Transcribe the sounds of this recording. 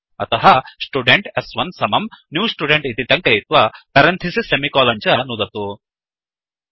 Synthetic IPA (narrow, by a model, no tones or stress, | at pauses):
ɐ̰t̪ɐɦɐsʈuɖeɳʈesʋɐnsɐmɐmnjuːsʈuɖeɳʈit̪iʈ̪ɐŋkɐjit̪ʋɐpɐɾɐnt̪ʰisisemikɔːlɐɲt͡ʃɐnud̪ɐt̪u